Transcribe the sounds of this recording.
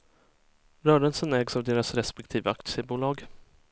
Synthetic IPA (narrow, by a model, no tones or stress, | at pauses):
ɾœːɖənsənɛːɡsavd̪eːɾasɾɛspɛk̚t̪ʰiːvaakt̪sɛbuːlɑːɡ